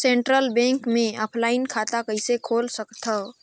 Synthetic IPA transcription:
sẽɳʈɾəlbẽŋkmẽəpʰlainkʰat̪akəisekʰolsəkt̪ʰə

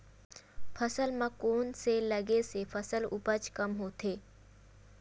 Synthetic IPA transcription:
fʰəsəlmãkonseləɡesefʰəsəlupət͡ʃkəmɦot̪e

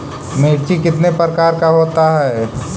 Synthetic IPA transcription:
meːʈikɪt̪nepɾəkaːɾkaɦoːt̪aɦɛː

